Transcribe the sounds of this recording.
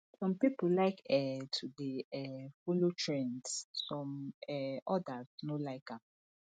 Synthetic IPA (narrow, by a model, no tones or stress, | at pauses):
sɔ̃mpipulaɪkɛtʰudeɛfolotʰɹẽnssɔ̃mɛɔdaz̥nolaɪkap̚